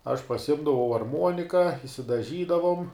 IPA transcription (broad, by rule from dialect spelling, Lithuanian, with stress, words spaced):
ɐʃ pɐsʲɪˈɪmdɐʋɐʊ ɐrˈmuɔnʲɪkɐ ɪʃʲsʲɪdɐˈʒʲiːdɐʋoːm